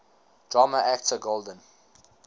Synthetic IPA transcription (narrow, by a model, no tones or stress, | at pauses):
d̥ɹaməʔæk̚tʰəɡolˠdə̃n